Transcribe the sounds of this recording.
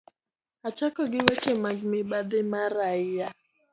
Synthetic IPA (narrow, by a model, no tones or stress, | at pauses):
at͡ʃakɔɡɪwɛt͡ʃɛmaɡmiɓad̪ɛmaɾaia